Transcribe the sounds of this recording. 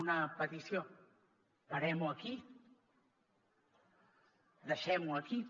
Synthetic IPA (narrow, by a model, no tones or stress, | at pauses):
unɐpət̪isjo | pɐɾɛmuɐki | d̪əʃɛmuɐki